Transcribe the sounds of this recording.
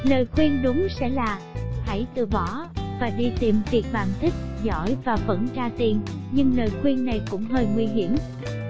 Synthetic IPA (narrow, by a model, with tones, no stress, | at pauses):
ləː˨˩jxwi˧ənɗʊ˨˦ŋ͡msɛ̰˧˥laː˨˩ha̰˧˩jt̪ɨ˨˩ɓɔ˧˦vaː˨˩ɗi˧t̪i˨˩mvi˨˩k̚ɓaː˨˩ŋt̪ï˦˥k̟̚zɔ̰˧˥˨jvaː˨˩və̰˧˥nt͡ɕaː˧t̪i˨˩nɲɨ˧ŋləː˨˩jxwi˧ənna˨˩jkʊ̰˧˥ŋ͡mɦəː˧jŋwi˧ɦi˧˩əm